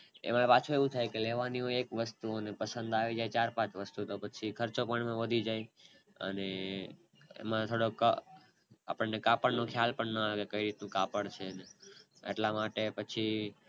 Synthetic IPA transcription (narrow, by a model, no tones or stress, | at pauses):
ḛmãpat͡ʃʰueʋũt̪ʰajkeleʋanioekʋəst̪uonepəsənd̪aʋid͡ʒajt͡ʃaɾpãt͡ʃʋəst̪ut̪opət͡ʃʰikʰəɾt͡ʃopəɳemãʋəd̪ʱid͡ʒaj | ə̰ne | ḛmãt̪ʰoɽokə | a̰pəɳnekapəɽnokʰjalpəɳnəaɡekəiɾit̪nũkapəɽt͡ʃʰene | ḛʈlamaʈepət͡ʃʰi